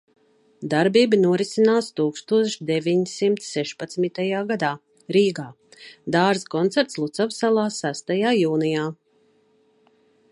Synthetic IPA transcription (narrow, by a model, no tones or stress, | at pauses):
d̪aɾbiːbinuɔɾisinaːst̪uːkst̪uɔʃd̪ɛvʲiɲsimt̪sːɛʃpat̪smit̪ajaːɡad̪aː | ɾiːɡaː | d̪aːɾzkɔnt̪sɛɾt̪slˠut̪savsalˠaːsæst̪ajaːjuːnijaː